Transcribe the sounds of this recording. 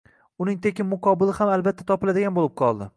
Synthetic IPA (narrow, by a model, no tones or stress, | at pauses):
ʊnɪŋt̪ʰe̞kʲɪmːmʊqʰɒbɪlɪhamalbat̪ʰːat̪ʰɒpɪlad̪ɪɡʲanbolɪp̚qʰɒlˠd̪ɪ